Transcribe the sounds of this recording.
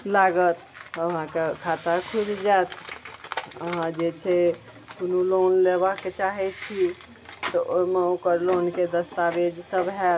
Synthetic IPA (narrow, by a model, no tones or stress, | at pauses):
laɡət̪əɦãkekʰat̪akʰud͡ʒd͡ʒaet̪ | əɦãd͡ʒet͡ʃʰɛ | kunulonlebakːet͡ʃaɦɛt͡ʃʰi | t̪ɔʔoimeukəɾlonked̪əst̪aʋed͡ʒsəbɦɛ